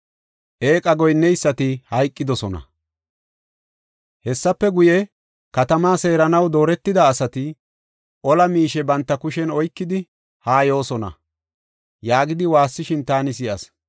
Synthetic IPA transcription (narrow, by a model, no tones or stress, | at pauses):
ʔe̞ːkʼɐɡɔjnːɛjsːɐt̪ɪhɐjkʼːɪd̪ɔsɔnɐ̰ | hɛsːɐpːɛɡʊjɛ | kɐt̪ɐmaːse̞ːɾɐnɐwd̪o̞ːɾɛt̪ːɪd̪ɐːsɐt̪ɪ | ʔɔlɐmiːʃɛbɐnt̪ːɐkʊʃɛnɔjkːɪd̪ɪ | haːjo̞ːsɔnɐ̰ | jaːɡɪd̪ɪwaːsːɪʃɪnt̪aːnɪs̬ɪʔɐs